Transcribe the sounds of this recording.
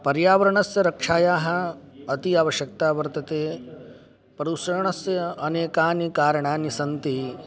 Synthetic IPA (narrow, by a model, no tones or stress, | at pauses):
pɐɾjaːʋɐɾɐɳɐsjɐɾɐkʂaːjaːɦɐ̆ɐt̪iaʋɐʃjɐk̚t̪aːʋɐɾt̪ɐt̪eː | pɐɾusɐɾɐɳɐsjɐɐneːkaːnikaːɾɐɳaːnisɐnt̪i